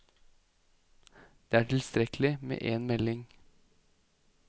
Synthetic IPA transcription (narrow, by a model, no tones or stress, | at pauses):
d̪̥eːæːʈʰɪlst̪ɾɛklɪmḛːʔeːnmɛlɪŋ